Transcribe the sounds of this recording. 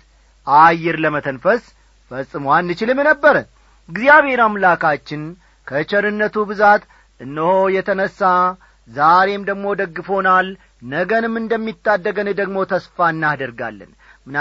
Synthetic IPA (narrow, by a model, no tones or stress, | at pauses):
ʔajːɪɾləmət̪ʰənfəs | fəsʼːɨmwanːɨt͡ʃɪlɨmjnəbːəɾən | ɡzijaβhe̞ɾamlakʰat͡ʃːɪn | kʰət͡ʃəɾɨnːət̪ʰubɨzat̪ | ʔɨnːɨhojɛt̪ʰənəsːa | zaɾe̞md̪əɡmo̞d̪əɡːɨfo̞nal | nəɡənɨmːɨnd̪əmːit̪ːad̪ːəɡənɨd̪əɡmo̞t̪ʰəsfaɨnːad̪əɾɡa̰lːɨ̰n | mɨn